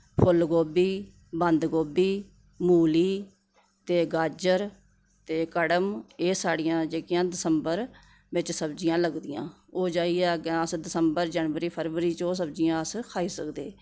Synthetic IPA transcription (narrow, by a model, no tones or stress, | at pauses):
pʰʊlɡoːbiː | bənd̪ɡoːbiː | muːliː | t̪eːɡaːd͡ʒəɾ | t̪eːkəɽəmeːsaːɽijãːd͡ʒeːkjãːd̪ɪsəmbəɾ | ʋɪt͡ʃsəbd͡ʒɪjãːləɡd̪ijã̰ː | oːd͡ʒaːiːɛːɡaːəsd̪ɪsəmbəɾd͡ʒənʋəɾiːpʰəɾʋəɾiːt͡ʃoːs̬əbd͡ʒɪjãːəskʰaːiːsəkd̪ḛː